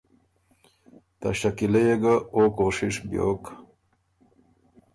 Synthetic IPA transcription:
t̪a̰ɕakilejeɡaokoʂiʂbjo̰k

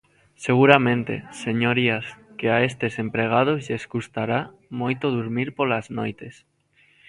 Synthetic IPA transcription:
seɣ̞uɾamẽnt̪ḛseɲoɾiaskeaest̪esempɾeɣ̞að̞ozʎesɣust̪aɾa | mojt̪oðuɾmiɾpolaznojt̪es

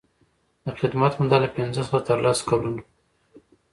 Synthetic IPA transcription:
d̪əχɪd̪mɑt̪mud̪ɑlapɪnzəswat̪əɾlaskalun

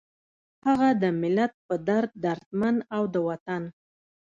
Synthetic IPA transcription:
haɣad̪əmɪlat̪̚pəd̪aɾt̪̚d̪aɾt̪manawd̪əwat̪an

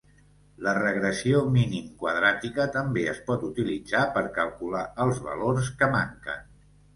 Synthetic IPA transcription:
lərəɣɾəsiominimkwəðɾat̪ikət̪əmbeəspɔt̪ut̪ilid͡zapəɾkəlˠkulaəlˠzβə̰lors̬kəma̰ŋkə̰n

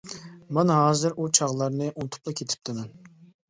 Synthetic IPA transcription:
mɛnɦɑːzɨɾʔut͡ʃʰɑʁlˠɑɾnɨʔunt̪ʰʊ̥plˠɑkʲʰet̪ʰɪ̥p̚t̪ʰɪmɛn

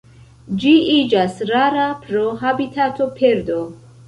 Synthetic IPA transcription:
d͡ʒiʔid͡ʒasɾaɾapʰɾoɦabit̪ʰat̪ʰopʰeɾd̪o

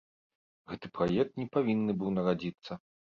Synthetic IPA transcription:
ɣɛt̪ɨpɾajɛk̚t̪nʲɛpavʲinːɨbɨwnɐɣad͡zʲit̪sːɐ

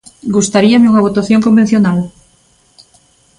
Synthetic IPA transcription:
ɡust̪aɾiameuŋaβ̞ot̪aθjoŋkomben̟θjonal

